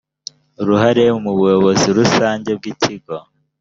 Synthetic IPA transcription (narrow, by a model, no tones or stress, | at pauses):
uɾuhaɾe̞umuβujoβo̞ziɾusaːɲɟe̞b̚ɡiciɡo̞